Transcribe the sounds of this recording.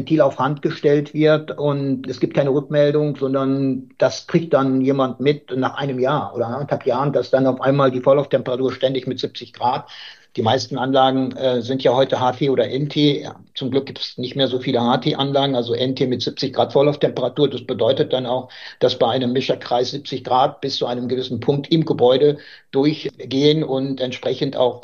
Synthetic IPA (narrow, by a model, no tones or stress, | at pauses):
ɛntʰiːlaʊfhantɡ̥əʃtɛltv̥ɪɐtʔʊntɛsɡ̥ip̚t̚kʰaɪnəʁʏkmɛldʊŋzɔndɐnd̥askʁ̥ɪçt̚d̥anjeːmantmɪtnaːχʔa̰ɪnəmjaːɐʔoːɾɐʔanəthapjaːʁəndasd̥anaʊfʔaɪnmaːldiːfɔɐlaʊftʰɛmpəʁatuːɐʃtɛndɪçmɪtz̥ɪp̚t͡sɪçɡ̥ʁaːtd̥iːmaɪstn̩ʔanlaːɡŋ̩ɛːzɪntjaːhɔʏtəɦaːtʰeːoːdɐʔɛntʰḛː | t͡sʊmɡlʏk̚ɡ̥iːptsnɪçtmeːɐzoːfiːləhaːtʰeːʔanlaːɡŋ̩ʔalzoʔɛntʰeːmɪtz̥ɪp̚t͡sɪçɡ̥ʁaːtfɔɐlaʊftʰɛmpəʁatuːɐdasb̥ədɔʏtət̚d̥anaʊxd̥asb̥aɪʔaɪnəmːɪʃɐkʁ̥aɪsz̥ɪp̚t͡sɪçɡ̥ʁaːt̚b̥ɪst͡suʔaɪnəmɡəvɪsn̩pʰʊŋk̚tʔɪmɡəbɔʏdə | d̥ʊɐçɡ̥eːənʊntʔɛntʃpʁ̥ɛçn̩ta̰ʊx